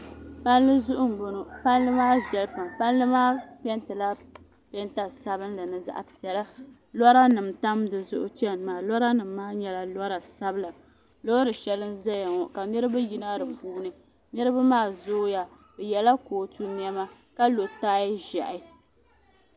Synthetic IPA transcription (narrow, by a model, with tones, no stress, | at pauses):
pa˦nlɨ˦zʊ˦ʔʊ˦m̩˨bo˨no˨pa˦nlɨ˦maː˦vɛ˨lpa˨mpa˦nlɨ˦maː˦pɛ˦ntɨ˨la˦ | pɛ˦nta˨sa˦bɨ˦nla˨nɨ˨za̰˦ʔa˨pi˨ɛ˨la˦ | lɔ˦ɾa˦nɨ˨mta˦mdɨ˨zʊ˦ʔʊ˦t͡ʃɛ˦nmaː˨lɔ˦ɾa˦nɨ˨mː˦aː˦ɲɛ˦la˦lɔ˦ɾa˨sa˦bɨ˦la˨ | lo˦ɾɨ˨ʃɛ˨˦lɨ˦nza˦ja˨ŋɔ˨ka˨nɨ˦ɾɨ˦ba˦ji˦na˦dɨ˨puː˨nɨ˨ | nɨ˦ɾɨ˦ba˦maː˦˨zoː˦ja˨ | bɨ˨jɛ˨la˦koː˨tu˦ni˦ɛ˦ma˦ | ka˦lo˨taː˦jʒɛ˨ʔɪ˦